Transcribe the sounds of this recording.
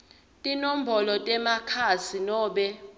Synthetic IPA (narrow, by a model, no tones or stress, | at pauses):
tʼinom̩bɔlɔtʼɛmakʰasinɔːɓɛ